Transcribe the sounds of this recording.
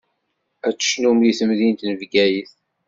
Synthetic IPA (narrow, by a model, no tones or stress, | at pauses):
æt͡sːə̥ʃnumliθəmðint̪nəvɡæjiθ